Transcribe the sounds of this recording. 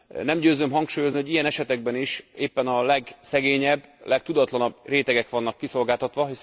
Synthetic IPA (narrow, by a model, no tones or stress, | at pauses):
nɛmɟøːzømɦɒŋkʃuːjoznioɟijɛnɛʃɛt̪ɛɡ̚bɛniʃeːpːɛnɒlɛɡsɛɡeːɲɛbːlʔɛkt̪ud̪ɒt̪lɒnɒbreːt̪ɛɡɛkʋɒnːɒkːiso̞lɡaːt̪ɒt̪ʋɒɦis